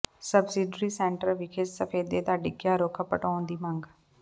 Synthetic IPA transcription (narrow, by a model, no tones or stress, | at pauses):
səbsiɖɾiːsɛːɳʈəɾʋɪkʰɪt͡ʃsəpʰeːd̪eːt̪aːɖiːkjaːɾoːkʰəpəʈɔːnd̪iːməŋɡ